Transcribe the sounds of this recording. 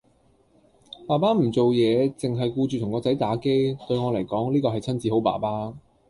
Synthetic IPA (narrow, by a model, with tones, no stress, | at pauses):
paː˨˩paː˥m̩˨˩t͡so˨wjɛː˨˧t͡sɪ˨ŋɦɐ˨jkuː˧t͡ʃyː˨t̪ʊ˨˩ŋkɔː˧t͡sɐ˨˥jt̪aː˨˥ke˥jt̪ɵ˧ɥŋɔː˨˧lɐ˨˩jkɔː˨˥ŋliː˥kɔː˧ɦɐ˨jt͡sʰɐ˥nt͡siː˨˧ho˨˥wpa̰ː˨˩paː˥